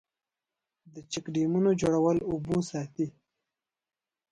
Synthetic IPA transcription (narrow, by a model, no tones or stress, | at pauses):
d̪ət͡ʃɪkɖimunod͡ʒoɽawəlubusɑːt̪i